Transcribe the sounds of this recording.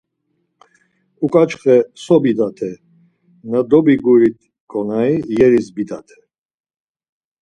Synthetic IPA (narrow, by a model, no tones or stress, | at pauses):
ukʼat͡ʃχɛsɔbid̪at̪ʰɛ | nad̪ɔbiɡuɾit̪ʰ | kʼɔnaijɛɾisbid̪at̪ʰɛ̥